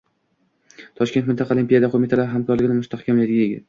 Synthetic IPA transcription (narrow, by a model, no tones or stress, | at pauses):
t̪ʰɒʃkʲet̪mɪnt̪ʰɑqʰɑlimpʲijad̪aqʰomit̪ʰalaɾɪɦamkʰɒɾlɪɡʲɪnɪmʊst̪ʰahkʲʰamlɪd̪ɪɡʲajeɡʲɪ̰t̪